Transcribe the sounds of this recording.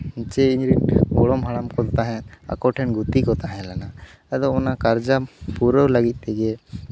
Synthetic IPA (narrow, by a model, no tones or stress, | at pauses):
t͡ʃɛiɲɾiʈ̚bɔɽɔmɦaɽamkɔt̪aɦɛ̃a̰kɔʈʰɛnɡut̪ikɔt̪aɦɛ̃lana | ad̪ɔɔnakaɾd͡ʒapuɾəwləɡit̪̚ˀt̪ɛɡɛ